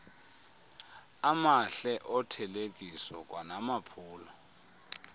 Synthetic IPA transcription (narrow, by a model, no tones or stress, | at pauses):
amaɬɛʔɔtʰɛlek̬ʼisɔk̬ʼwanamapʰuːlɔ